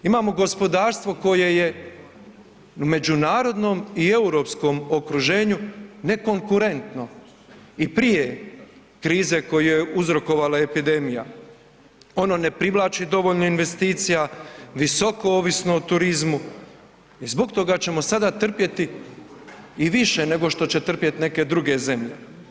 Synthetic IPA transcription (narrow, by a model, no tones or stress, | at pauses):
imaːmo̞ɡo̞spo̞d̪aːɾst̪ʋo̞ko̞je̞je̞ | ume̞d͡ʒunaːɾo̞d̪no̞ːmie̞uɾo̞ːpsko̞mo̞kɾuʒe̞ːɲune̞ko̞ŋkuɾe̞nt̪no̞ | ipɾije̞ | kɾiːze̞ko̞jujeʔuzɾo̞ko̞ʋalae̞pid̪e̞mija | o̞no̞ne̞pɾiʋlˠaːt͡ʃid̪o̞ʋo̞ʎnoinʋe̞st̪iːt̪sijaʋiso̞kooːʋisno̞ut̪uɾizmu | izbo̞ɡt̪o̞ɡat͡ɕe̞mo̞sad̪at̪r̩pje̞t̪i | iʋiʃene̞ɡo̞ʃt̪o̞t͡ɕe̞t̪r̩pje̞t̪ne̞ke̞d̪ɾuɡe̞ze̞mʎe̞